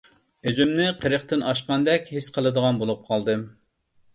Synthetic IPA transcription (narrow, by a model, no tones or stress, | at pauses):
øzymnɪqʰəɾəχt̪ɨnɑʃqɑnd̪ɛkʲhisqʰəlˠɨd̪əʁɑnbolˠup̚qʰɑlˠd̪ɨ